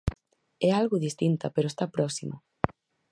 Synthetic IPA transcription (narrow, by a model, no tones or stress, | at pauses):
ɛalɣʊðist̪int̪apeɾoest̪apɾɔksimʊ̰